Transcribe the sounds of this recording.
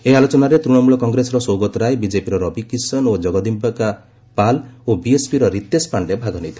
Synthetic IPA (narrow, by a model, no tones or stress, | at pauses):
ealɔt͡ʃɔnaɾet̪ɾuɽ̃ɔmuɭɔkɔŋɡɾesɔɾɔsoɡɔt̪ɔɾaebid͡ʒepiɾɔɾɔbikisɔnod͡ʒɔɡɔd̪imbaka | palobiespiɾɔɾit̪ːespaɳɖebʱaɡʱɔnit̪ʰi̥